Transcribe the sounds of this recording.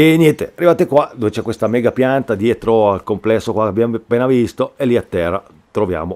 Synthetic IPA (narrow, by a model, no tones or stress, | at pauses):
eɲjɛnt̪earːivaːt̪ekwad̪ovet͡ʃɛkːwest̪amɛːɡapjant̪ad̪jɛt̪ɾoalkomplɛsːokwakeabjampːeːnavist̪oelːiat̪ːɛrːa | t̪ɾovja̰ːmo